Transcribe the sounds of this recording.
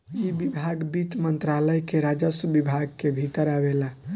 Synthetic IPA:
jibibʱaɡbit̪mənt̪ɾaləjkeɾad͡ʒəsbibʱaɡ̚kebʱit̪əɾabela

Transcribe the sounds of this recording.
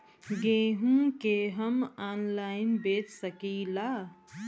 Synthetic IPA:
ɡeːɦũkeɦəmanlaɪnbeːt͡ʃsəkila

